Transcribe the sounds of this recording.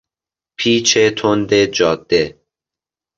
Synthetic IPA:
pʰiːt͡ʃʰet̪ʰond̪ed͡ʒɒːd̪̥ːe

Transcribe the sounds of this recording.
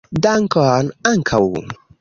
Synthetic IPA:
d̪aŋkanaŋkʰawṵ

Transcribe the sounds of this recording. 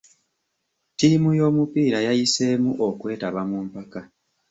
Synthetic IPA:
tiːmujo̞ːmupiːɾajajise̞muʔo̞kwe̞ːtaβamuːmpaka

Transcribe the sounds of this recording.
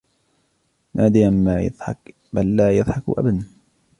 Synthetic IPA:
nʔaːd̪ɪjanmaːjɨ̰ðˤħɑk | balːaːjɨðˤħɑkʔa̰bana

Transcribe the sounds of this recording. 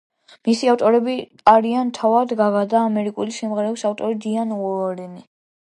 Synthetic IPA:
misiaft̪ʼɔɾɛbi | aɾiant̪ʰavad̪ɡaɡad̪aːmɛɾikʼulisɛmʁɛɾɛbsaft̪ʼɔɾid̪ianɔɔɾini

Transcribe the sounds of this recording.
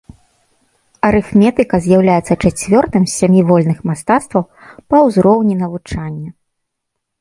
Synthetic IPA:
ɐɾɨxmʲɛt̪ɨkɐzʲjawlʲajɛt̪sːɐt͡ʂat͡sʲvʲɔrt̪ɨmsʲamʲivɔlʲnɨxmast̪at̪st̪vɐw | pɐwzɾɔwnʲinɐvut͡ʂanʲːɐ

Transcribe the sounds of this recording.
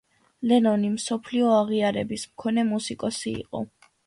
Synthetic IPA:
lɛnɔnimsɔpʰliɔaʁiaɾɛbismkʰɔnɛmusikʼɔsḭːqʼɔ̰

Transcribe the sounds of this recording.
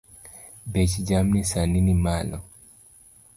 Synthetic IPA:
bɛt͡ʃid͡ʒamnisaninimalɔ

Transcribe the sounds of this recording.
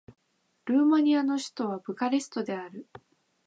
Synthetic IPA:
ɾɯ̟ːmaɲ̟iano̞ɕi̥t̪o̞β̞abɯ̟kaɾesɨ̥t̪o̞d̪e̞aɾɯ̟

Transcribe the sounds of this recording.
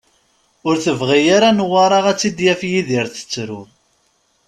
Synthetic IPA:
ʊɾθəvʁijaɾanəwːɑɾˤɑʁæt͡sːid̪jæfjiðiɾθə̥t͡sːɾʊ

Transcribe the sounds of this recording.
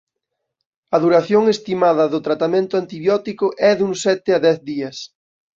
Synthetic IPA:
ɐðuɾaθjoŋest̪imaðɐðʊt̪ɾat̪amẽnt̪ʊant̪iβjɔt̪ikʊʔɛðuŋsɛt̪ɪɐðɛθðiɐs

